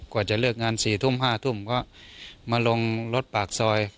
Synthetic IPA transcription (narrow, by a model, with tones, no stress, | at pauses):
kɔː˧˩t͡ɕa˧˩˦lɯː˥˩ək̚ŋaː˧˥˨nsiː˨˩t̪ʰu˧˥˨mɦaː˧˩t̪ʰu˧˩˨mkɔ˧˥˩ | maː˧˥˨lo˧ŋlo˦˥t̪̚paː˨˩k̚sɔː˧j